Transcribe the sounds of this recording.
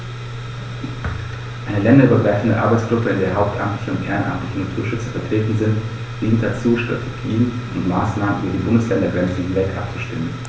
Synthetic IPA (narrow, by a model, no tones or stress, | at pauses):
ʔaɪnəlɛndɐyːbɐɡʁaɪfn̩də̰ʔa̰ɐbaɪt͡sɡ̥ʁʊpəɪndeːɐɦaʊp̚tʰʔamtlɪçəʊntʔḛːʁɐənʔa̰mtlɪçənatʰuːɐʃʏt͡sɐfɛɐtʁ̥eːtn̩zɪnt | d̥iːnt̚d̥at͡suːʃtʁ̥a̰tʰeɡ̥iːən | ʔʊntmaːsnaːmənʔyːbɐdiːbʊndəslɛndɐɡʁɛnt͡sn̩hɪnvɛltʔa̰p̚t͡suʃtɪmən